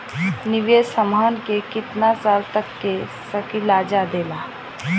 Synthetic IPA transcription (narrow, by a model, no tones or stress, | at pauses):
nɪʋjesəmaːnkekɪt̪nasaːlt̪əkːe | səkilaːd͡ʒad̪eːlaː